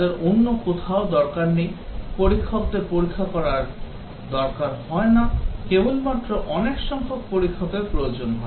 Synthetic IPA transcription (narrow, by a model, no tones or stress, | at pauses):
eɾonːokot̪ʰaod̪ɔɾkaɾnejpoɾikʰːob̚d̪eɾpoɾikʰːakɔɾaɾ | d̪ɔɾkaɾhɔenakebolmat̪ːɾoʔɔnekʃɔŋkʰok̚poɾikʰːopepɾojod͡ʑonɦɔe